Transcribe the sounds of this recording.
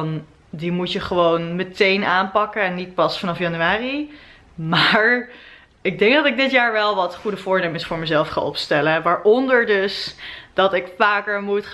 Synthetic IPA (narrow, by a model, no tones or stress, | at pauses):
n | dimutjəχəʋownmətejnaːnpɑkəɛnːit̚pɑsfɑnɑfjɑnyaːri | maːɹ | ɪɡ̚dɛŋkɡdɑtɪɡ̚dɪtjaːɹʋɛlˠʋɑtχudəvʊːɹnejməsfʊːɹməzɛlˠfχa̰ʔɔpstɛləʋaːɹʔɔndəɹdɵsd̥ɑtɪkfaːkəɹmut